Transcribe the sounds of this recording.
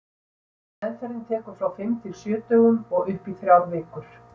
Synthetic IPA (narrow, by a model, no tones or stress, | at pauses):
ɛðfɛɾɪnt̪ʰɛːkʏɾ̥fɾawfɪmt̪ʰɪlsjœːt̪œɣʏmɔɣʏhpiθɾjawðvɪːkʏɾ̥